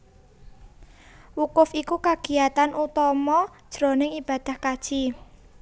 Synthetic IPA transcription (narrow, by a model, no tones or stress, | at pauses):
wukʊfikukaɡ̥i̤jat̪anʔut̪ɔmɔd̥ʒ̥ɾonɪŋib̥a̤d̪̥a̤hkad̥ʒ̥i